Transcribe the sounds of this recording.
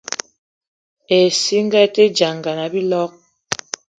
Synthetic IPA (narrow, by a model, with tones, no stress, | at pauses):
e˨si˦ŋ˦ɡa˦˨te˦d͡ʒa˨ŋɡa˨na˨bi˦lɔ˦k̚